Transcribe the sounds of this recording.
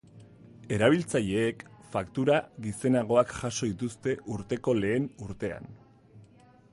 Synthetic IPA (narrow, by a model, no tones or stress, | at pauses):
e̞ɾaβ̞ilt͡saʎe̞ːkfakt̪uɾaɣise̞naɣ̞o̞akʝaso̞ðit̪ust̪e̞ʔuɾt̪e̞ko̞le̞ːnuɾt̪e̞a̰n